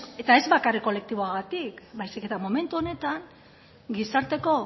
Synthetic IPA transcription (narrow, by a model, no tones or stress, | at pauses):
e̞t̪ae̞zbakareko̞le̞k̚t̪iβo̞aɣat̪ikbajsike̞t̪amo̞me̞nt̪uo̞ne̞t̪aŋ | ɡisaɾt̪e̞ko̞